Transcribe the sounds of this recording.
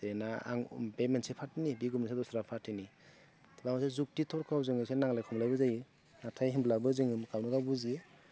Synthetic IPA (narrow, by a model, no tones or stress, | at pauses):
denaa̰ŋbemensepʰatːinibiɡumnisadɔsɾapʰatːini | tʰbamɔsezuk̚titʰɔɾkʰawzɯŋɯsenaŋlajkʰɔmlajbɯzaji | natʰajɦimblabɯzɯŋɯmkawnɯɡawbuzi